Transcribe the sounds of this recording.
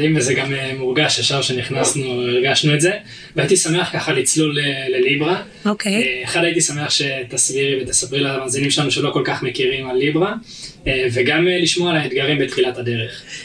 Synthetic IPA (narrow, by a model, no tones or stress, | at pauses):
imezeɡamemuʁɡaʃeχʃavʃeniχnasnuiʁɡaʃnuetze̞ | veait̪isame̞aχkaχalit͡slulele̞libʁa | okʰeeχad̪ait̪isame̞aχʃe̞t̪asbiʁibet̪asabʁilamaːzinimʃelanuʃelo̞ko̞lkaχmekiʁimalːibʁa | eve̞ɡamliʃmoalaed̪ɡaʁimbet̪χilat̪had̪e̞ʁe̞χ